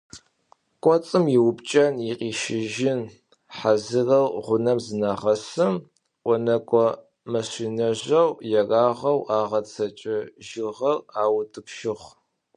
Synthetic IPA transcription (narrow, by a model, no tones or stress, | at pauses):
kʷʼɔt͡sʼɨmjɪwʊpt͡ʃʼɐnjiqʼiːʃɪʒɪn | ħazɨrɐlʁʷʊnɐmzɨnaʁɐsɨm | ʔʷɔnɐkʷʼɔ | mɐɕʷiːnɐʑɐwjɛraːʁɐwaːʁɐt͡sʰɐt͡ʃʼɪʒɪʁɐraːwtʰɨpʃɪʁʷ